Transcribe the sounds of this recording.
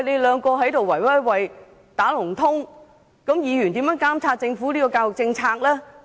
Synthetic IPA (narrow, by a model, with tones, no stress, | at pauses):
ne˨˧jlœː˨˧ŋkɔː˧ɦɐ˨˥jt̪o˨wːɐ˨˩jwɐ˥˩wɐ˨˩j | t̪aː˨˥lʊ˨˩ŋt̪ʰʊ˥ŋ | kɐ˨˥mjiː˨˧ɥy˨˩nt̪iː˨˥mjœː˨˥ŋkaː˥mt͡sʰaː˧t̚t͡sɪ˧ŋfuː˨˥liː˥kɔː˧kaː˧wʊ˨˩k̚t͡sɪ˧ŋt͡sʰaː˧k̚lɛː˥